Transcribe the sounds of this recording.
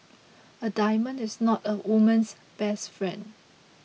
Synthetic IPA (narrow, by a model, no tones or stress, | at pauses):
ədajmə̃nɪsnɔtəwumə̃ns | b̥ɛsfɹɛ̃nd